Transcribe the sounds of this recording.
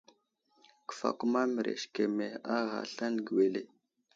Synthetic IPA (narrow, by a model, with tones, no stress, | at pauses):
kə̥˨fa̰˨ku˦ma˦mə˨ɾʔḛ˨ʃke˨me˨a˦ɣa̰˨ɬa˦nɡi˨we˨le˨